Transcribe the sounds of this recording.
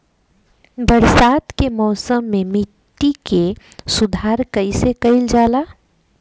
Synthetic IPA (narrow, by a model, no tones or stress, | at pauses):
bəɾsat̪kemɔːsəmːemiʈːike | sud̪ʱaɾkəɪsekəɪld͡ʒaːla